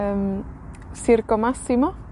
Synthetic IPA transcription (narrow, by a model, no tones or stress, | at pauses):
m | siɾkomasimo